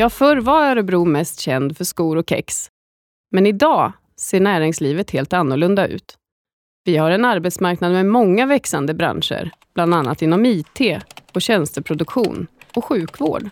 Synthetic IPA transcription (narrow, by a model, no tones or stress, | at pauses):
jɑːfœɾvaaɾɔbɾuːmɛst̪ɕɛnd̪fœʂkuːɾɔkʰɛ̰ks | mɛnɪd̪ɑː | seːɳæːɾɪŋsliːvət̪heːlt̪anːʊɭɵnd̪aʉ̟̰ːt̪ | vɪhaɾɛnaɾbɛt̪smaɾknad̪mɛmɔŋːavɛksand̪əbɾa̰nʂə̰ɾb̥land̪anːa̰t̪ɪnːɔmiːt̪ʰeːɔɕɛnst̪əpʰɾʊd̪ɵkɧṵːnɔɧʉ̟ːkvo̰ːɖ